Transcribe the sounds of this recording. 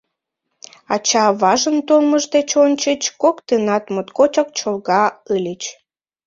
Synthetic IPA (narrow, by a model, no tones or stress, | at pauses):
ɑt͡ɕɑβɑʒənt̪olməʒd̪et͡ɕonʲt͡ɕət͡ɕkokt̪enɑt̪mot̪kot͡ɕɑk̚t͡ɕolɣɑəlʲət͡ɕ